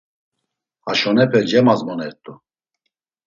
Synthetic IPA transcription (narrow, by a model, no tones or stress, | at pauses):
aʃɔnɛpʰɛld͡ʒɛmazmɔnɛɾt̪ʼu